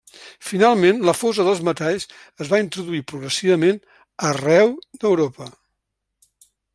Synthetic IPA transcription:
finalˠmenləfozəðəlˠzmət̪aʎs | əzβaint̪ɾuðuipɾuɣɾəsiβəmen | ərɛwd̪əwɾopə

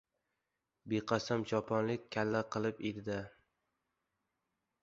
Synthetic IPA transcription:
beqʰɑsamt͡ʃʰɒpʰɒnlɪkʲkʲʰːalːaqʰɨlˠɪped̪d̪a

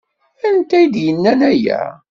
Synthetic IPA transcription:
ænt̪æjd̪jənːænæjæ̰

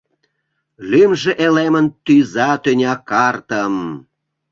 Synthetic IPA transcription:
lymʒĕʔelemənt̪yzɑt̪ønʲɑkɑrt̪əm

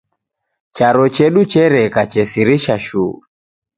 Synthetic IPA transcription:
t͡ʃaɾɔt͡ʃɛɗut͡ʃɛɾɛkat͡ʃɛsiɾiʃaʃṵː

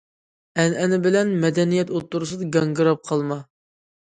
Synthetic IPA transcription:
ɛnɛnɪbɪlɛnmɛd̪ɛnijɛt̪ot̪ːuɾusɨd̪ɨɡɑŋɡɨɾɑp̚qʰɑlˠmɑ

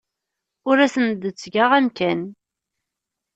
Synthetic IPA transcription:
ʊɾæsənd̪ət͡sːɡaʁæmkæn

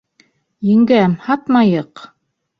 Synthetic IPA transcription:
jɘ̆ŋɡæmhɑt̪mɑjɤq

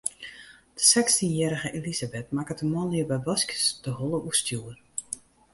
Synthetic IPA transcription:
d̥ə̥sɛkstənjɛːɾəɣəʔelizabɛtmakətəmɔnliəbɛjbɔskə̥sd̥əhɔlˠəʔustʰjuːər

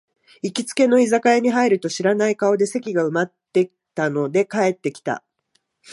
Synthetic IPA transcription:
ikʲit͡sɨ̥ke̞no̞izakaeɲ̟iɦaiɾɯ̟t̪o̞ɕiɾanaikao̞d̪e̞se̞kʲiɡaɯ̟mat̪ːe̞̥ | t̪ano̞d̪e̞kae̞t̪ːe̞kʲi̥t̪a̰

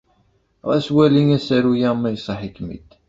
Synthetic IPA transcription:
ʁæswæliŋæsæɾujamːæjsˤɑħikmḭd̪

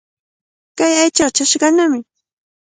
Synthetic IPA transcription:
kajajt͡ʃɑt͡ʃaʃɢɑnamɪ

